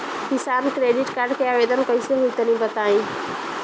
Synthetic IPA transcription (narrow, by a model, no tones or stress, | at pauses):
kɪsaːbkɾeːɖɪʈkaɾɖkeaːʋeːd̪ənõkɐĩseɦuit̪ɐnĩbɐt̪aːĩː